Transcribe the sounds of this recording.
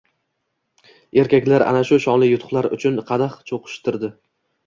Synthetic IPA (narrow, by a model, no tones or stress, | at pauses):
e̞ɾkʲakʲlaɾa̰naʃʊʃɒŋlˠɪjʊt̪ʰʊ̥χlˠaɾʊ̰t͡ʃʰʊnqʰɑd̪aχt͡ʃʰoqʰɨ̥ʃt̪ɪɾd̪ɪ